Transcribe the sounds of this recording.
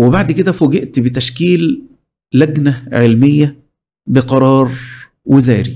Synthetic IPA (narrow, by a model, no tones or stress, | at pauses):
webaʕd̪ked̪æfoɡeʔt̪bet̪æʃkiːlː | æɡnæʕelmejːæ | beqɑɾˤɑːɾˤ | wʔezæːɾi